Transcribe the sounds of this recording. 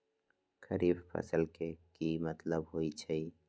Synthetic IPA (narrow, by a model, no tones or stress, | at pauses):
kʰəɾiːbpʰə̰səlkekimət̪ləbɦoːit͡ʃʰəi